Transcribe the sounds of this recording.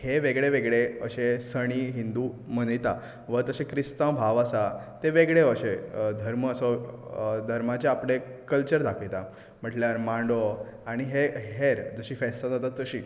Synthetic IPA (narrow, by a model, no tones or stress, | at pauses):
heʋeɡɭeʋeɡɭeə̰ɕesəɽ̃iɦind̪uːmənəjt̪a | ʋət̪əɕekɾist̪ãmbʱaʋəsat̪eʋeɡɭeəɕed̪ʱəɾməəsɔ | d̪ʱəɾmat͡ɕeapɽekəlt͡ɕəɾd̪ʱakʰijt̪a | m̤əʈljaɾmãɳɖoaɽ̃iɦeɦeɾd͡zəɕiːfɛsad͡zat̪at̪ːəɕiː